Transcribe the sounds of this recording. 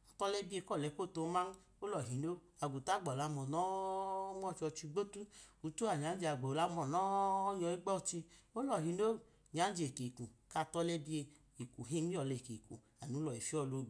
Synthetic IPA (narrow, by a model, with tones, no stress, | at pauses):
a˨tɔ˦lɛ˦bi˦e˧kɔ˦˨lɛ˨˦ko˦˨to˧˦ma˦n˦ | o˦lɔ˨ɦi˨no˦ | a˨ɡu˨ta˦ɡ͡bɔ˨la˨˧mɔ˨nɔ˨˦mɔ˦˨t͡ʃɔ˧t͡ʃi˧ɡ͡bo˦tu˦u˨tu˦a˨ɲa˨˦n˦d͡ʒe˧a˨ɡ͡bo˨la˧mɔ˨nɔ˨˦ɲɔ˧i˦ɡ͡bɔ˦˨t͡ʃi˧o˦lɔ˨ɦi˨no˦ | ɲa˨˦n˦d͡ʒe˨ke˨ku˨ka˧˨tɔ˧lɛ˦bi˦e˧ | i˨ku˨ɦe˦ɔ˨lɛ˨ke˨kṵ˨ | a˨nu˨˦lɔ˨e˨fi˦ɔ˦˨lo˧˨ɡ͡b